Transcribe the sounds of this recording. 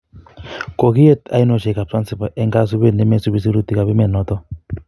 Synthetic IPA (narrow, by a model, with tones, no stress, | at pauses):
ko˨ki˦je˦ta̰˦i˦nɔ˨ʃe˨ka˨psa˦nsi˨pa˨ʔɛ˦ŋɡa˦s̬u˦be˦˨ne˦mɛ˦˨su˦bi˦si˦ɾu˦ti˨ka˨βi˦mɛ˨nɔ˨˦tɔ˦